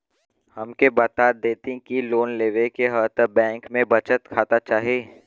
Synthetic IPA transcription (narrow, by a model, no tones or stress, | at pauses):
hɐmkebɐt̪aːɾd̪eːt̪ĩkiloːnleːʋekeɦəːt̪bɛ̃ːŋkmẽbɐt͡ʃət̪kʰaːt̪at͡ʃaːɦieː